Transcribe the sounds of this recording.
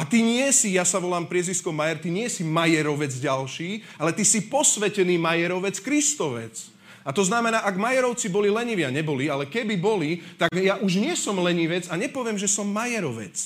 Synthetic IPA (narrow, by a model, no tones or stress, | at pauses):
at̪iɲɪɛsijasaʋɔlaːmpɾɪɛziskɔmajɛɾt̪iɲɪɛsimajɛɾɔʋɛd͡zɟalʃiː | alɛt̪isipɔsʋɛcɛniːmajɛɾɔʋɛt͡skɾist̪ɔʋɛ̰t͡s | at̪ɔznamɛnaːʔaɡmajɛɾɔʊt͡sibɔlilɛɲiʋɪaɲɛbɔlialɛkɛbibɔlit̪aɡjaʔuʒɲɪɛsɔmlɛɲiʋɛd͡zaɲɛpɔʋɪɛmʒɛsɔmːajɛɾɔʋɛ̰t͡s